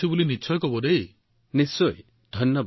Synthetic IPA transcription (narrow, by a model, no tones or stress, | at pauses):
ibulinit͡ʃʰɔjkɔbɔd̪ej | nisɔj | d̪ʱɔjnjɔba